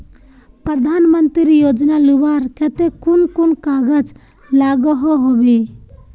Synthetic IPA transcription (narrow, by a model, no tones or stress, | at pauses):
pɾəd̪ʱanmənt̪ɾiɾijod͡ʒnalubaɾkɛt̪ekunkunkaɡəd͡ʒ | laɡɔɦɔɦobe